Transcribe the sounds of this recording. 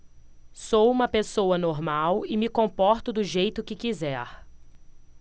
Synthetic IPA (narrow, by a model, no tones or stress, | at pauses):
sowũmɐpesowɐnoɾmawɪmɪkõpɔɾt̪ʊd̪ʊʒejt̪ʊkɪkizɛɾ